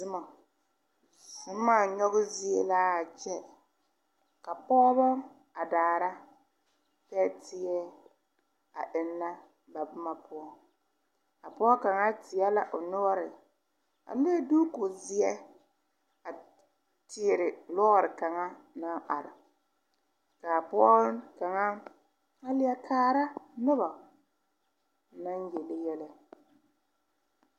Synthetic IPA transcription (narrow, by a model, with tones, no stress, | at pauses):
ɪ˦ma˨ | sɪ˦m˦maː˦˨ɲɔ˦ɣʊ˦zɪ˦ḛ˦laː˦a˨t͡ʃɛ˦ | ka˨pɔː˦βɔ˦ | a˨daː˨ɾa˦ | pɛː˦tʰɪ˨ɛ˦ | a˨ʔɪ˨nːa˦ | ba˨bʊ˦ma˨pʊ˦ɔ˦ | a˨pʊ˦ɔ˦ka˨ŋa˦tɪ˨jɛ˦la˦ʔo˨nɔ˦ɾɪ˨ | a̰˨˦e˦du˦kʊ˨zɪ˨ɛ˦ | a˨ | tɪ˨ɾɪ˨lɔ˦ɣɾɪ˨ka˨ŋa˦ | na˦ʔa̰˨ɾɪ̰˨ | ka˨pʊ˦ɔ˦ka˨ŋa˦ | a˦lɪ˦a˦kʰaː˨ɾa˦nʊ˦ba˨˦ | na˦n˦jɛ˨lɪ˦jɛ˦lɪ˦